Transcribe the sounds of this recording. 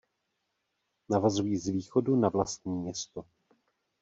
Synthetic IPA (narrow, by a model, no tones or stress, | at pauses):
navazujiːzviːxo̞dunavlast̪̚ɲiːmɲɛst̪o